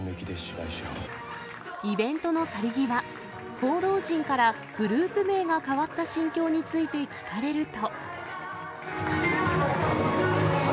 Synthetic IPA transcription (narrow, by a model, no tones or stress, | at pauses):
ekʲid̪eɕibaiɕo̰ | ibẽ̞nt̪o̞no̞saɾʲiɡʲiβa | ho̞ːd̪o̞ːʑĩŋkaɾa | ɡ̥ɯ̟ɾɯ̟ːpɯ̟me̞ːɡakaβat̪ːaɕĩŋkʲo̞ːɲ̟it͡sɨit̪e̞kʲi̥kaɾe̞ɾɯ̟t̪o̞